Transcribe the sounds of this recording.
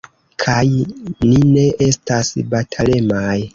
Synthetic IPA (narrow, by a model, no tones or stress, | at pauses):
kʰajnine̞ʔe̞stasbatʰale̞maj